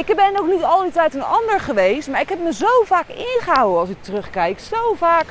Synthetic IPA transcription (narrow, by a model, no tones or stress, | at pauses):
ɪkbɛnoxχnitɑlˠditɛjtənɑndəɹχəʋejstmaːɹɪkɦɛpməzowvaːkɪnχəɦawənɑlˠsɪk̚tərøχkɛjksowvaːk